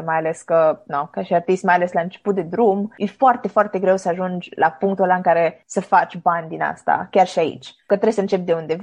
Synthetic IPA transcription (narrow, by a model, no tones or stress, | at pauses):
majaleskənokaʃiart̪ist̪majale̞slaɨnt͡ʃe̥put̪̚d̪e̞d̪ɾumjefoart̪e̞foart̪e̞ɡɾe̞wsəaʒund͡ʒʲla̰puŋkt̪ulaɨŋkaɾe̞səfat͡ʃʲbanʲd̪ina̰st̪a̰kʲarʃiaḭt͡ʃʲkət̪ɾesəɨnt͡ʃe̞p̚d̪e̞und̪e̞